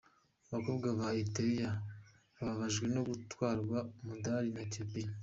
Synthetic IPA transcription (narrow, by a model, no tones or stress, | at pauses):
aβako̞ːbɡaβaiteɾija | βaβaβaʒɡweno̞ɡutwaːɾɡwamudaɾinatepini